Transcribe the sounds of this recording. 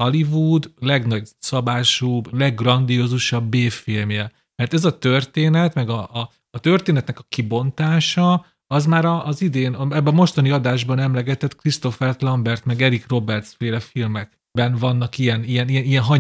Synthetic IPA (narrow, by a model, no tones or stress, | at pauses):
ɒlivud̪lɛɡnɒɟsɒbaːʃuːblɛɡːrɒnd̪ijozuʃɒbːeːfilmjɛ | mɛrt̪ɛzɒt̪ørt̪eːnɛt̪mɛɡɒʔː | t̪ørt̪eːnɛt̪nɛkɒkibo̞nt̪aːʃɒ | ɒzmaːɾɒʔːzid̪eːnɛbːɛmo̞ʃt̪ɒniɒd̪aːʒbɒnɛmlɛɡɛt̪ɛt̪krist̪o̞fɛrt̪lɒmbɛrt̪mɛɡɛɾikro̞bɛrt̪sfeːlɛfilmɛɡ | bɛnvɒnːɒkijɛnijɛnijɛnijɛnɦɒ